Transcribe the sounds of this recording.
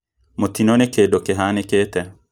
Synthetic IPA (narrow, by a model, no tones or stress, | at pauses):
mot̪inonekedokeɦanekeːt̪ɛ